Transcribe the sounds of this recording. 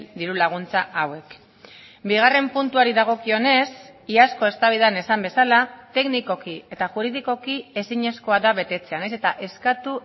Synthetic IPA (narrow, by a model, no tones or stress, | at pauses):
d̪iɾulaɣ̞unt͡saʔawe̞k | biɣ̞are̞mpunt̪uaɾiðaɣ̞o̞kio̞ne̞siasko̞e̞st̪aβiðane̞sambe̞salat̪e̞kniko̞kie̞t̪aʝuɾiðiko̞kie̞siɲe̞sko̞aðaβe̞t̪e̞t͡se̞anese̞t̪aʔe̞skat̪u